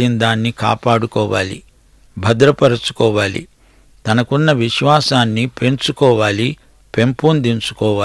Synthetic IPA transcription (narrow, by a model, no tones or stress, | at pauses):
ind̪aːnːika̰ːpaːɽukɔːʋa̰ːlḭ | bʱɐd̪ɾɐpɐɾɐt͡ʃu̥kɔːʋaːlḭ | t̪ɐnɐkunːɐʋiʃʋaːsaːnːipe̞ɲt͡ʃukɔːʋaːli | pe̞mpund̪int͡ʃu̥kɔːʋaː